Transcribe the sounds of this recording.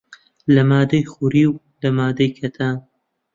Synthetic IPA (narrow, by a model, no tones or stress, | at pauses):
lɐmaːd̪ɐjxuɾiw | lɐmaːd̪ɐjkʰɐt̪ʰaː